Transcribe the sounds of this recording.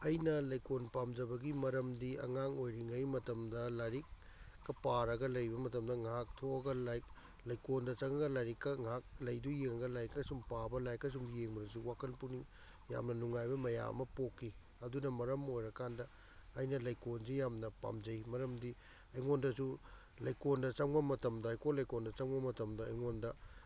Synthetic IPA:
ɐjnɐlɐjkonpamd͡ʒɐbɐɡimɐɾɐmdiɐ̰ŋaŋojɾiŋɐjmɐtɐmdɐlaɾik̚ː | ɐpaɾɐɡɐlɐjbɐmɐtɐmdɐŋak̚tʰoɐɡɐlajk | lɐjkondɐt͡ʃɐŋɐɡɐlaɾikːɐŋak̚lɐjdujeŋɐɡɐlajikːɐsumpabɐlajkːɐs̬umjeŋbɐɾɐs̬uwakʰɐnpuniŋ | ja̰mnɐnuŋajbɐmɐja̰ɐ̰mɐpokːi | ɐdunɐmɐɾɐmojɾɐkandɐ | ɐjnɐlɐjkonsijamnɐpa̰md͡ʒɐjmɐɾɐmdi | ɐjŋondɐsu | lɐjkondɐt͡ʃɐŋbɐmɐtɐmdɐːjkonlɐjkondɐt͡ʃɐŋbɐmɐtɐmdɐɐjŋondɐ

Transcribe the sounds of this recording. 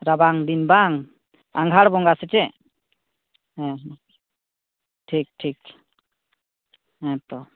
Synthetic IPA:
ɾabaŋd̪inbaŋ | aŋɡʱaɽbɔŋɡasɛt͡ʃɛ | ɛɦ | ʈʰik̚ʈʰik | ɛ̃t̪ɔ

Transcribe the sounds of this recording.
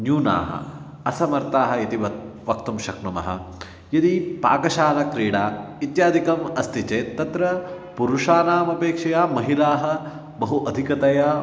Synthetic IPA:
njuːna̰ːɦɐ̰ | ɐsɐmɐɾt̪aːɦɐit̪iʋɐʋɐk̚t̪umʃɐknumɐ̰ɦɐ̰ | jɐd̪ipa̰ːkɐʃaːnɐkɾiːɽaː | it̪jaːd̪ʱikɐmɐst̪it͡ʃeːt̪ɐt̪ɾɐ | puɾuʂaːnaːmɐpeːkʂɐjaːmɐɦilaːɦɐ̆ | bɐɦuʔɐd̪ʱikɐt̪ɐjaː

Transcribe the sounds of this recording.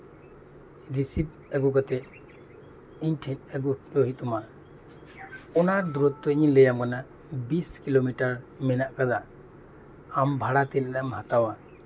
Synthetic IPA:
ɾisip̚ | ɛɡukat̪ɛt̪̚ | iɲʈʰɛt̪ɛɡuɾɔɦit̪̚ɔma | ɔnaɾd̪uɾɔt̪ːɔɲilɛjamkana | biskilomiʈaɾmɛnaʔkad̪a | ambʱaɽat̪ɛnɛɾamhat̪awa

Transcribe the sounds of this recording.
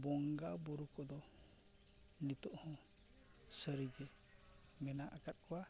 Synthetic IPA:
bɔŋɡabuɾukɔd̪ɔ | nit̪ɔʔhɔ̃ | səɾiɡɛ | mɛnaʔakat̪̚kɔwa

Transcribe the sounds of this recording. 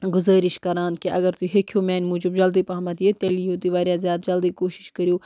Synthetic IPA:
ɡʊzəːɾɪʃkɐɾãːnd̪̚keʔɐɡɐɾt̪iɦekʰjoːmɛːnmuːd͡ʒɪbd͡ʒɐld̪ipɐːmɐt̪iet̪elijõːt̪iʋaːɾjaːzjaːd̪d͡ʒɐld̪iːkoːʃɪ̥ʃkɐɾjoː

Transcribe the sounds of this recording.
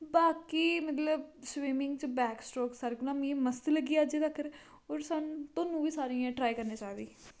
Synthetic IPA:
baːkiːmət̪ləb̚swiːmɪ̃ŋɡt͡ʃbɛːksʈɔːksaːɾeknãːmĩẽməst̪ləɡiːaːd͡ʒeːt̪əkːəɾ | oːɾsaːnt̪õːnũːʋiːsaːɾiːãːʈɾaːikəɾneːt͡ʃaːd̪iː

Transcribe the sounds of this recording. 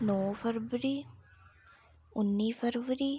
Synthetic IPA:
noːfɐɾʋəɾi | unːiːfɐɾʋəɾi

